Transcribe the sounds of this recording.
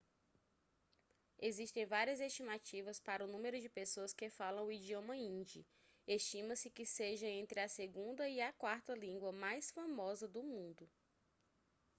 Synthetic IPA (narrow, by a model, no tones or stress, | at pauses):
eziʃt̪ẽj̃vaɾiɐzest͡ʃimat͡ʃivɐspaɾɐʊnũmeɾʊd͡ʒɪpesoɐskɪfalɐ̃w̃ʊid͡ʒiõmɐĩd͡ʒi | est͡ʃĩmɐsɪkɪseʒɐẽnt̪ɾɪɐseɡũnd̪ɐiɐkwaɾt̪ɐlĩŋɡwɐmajsfamɔzɐd̪ʊmũnd̪ʊ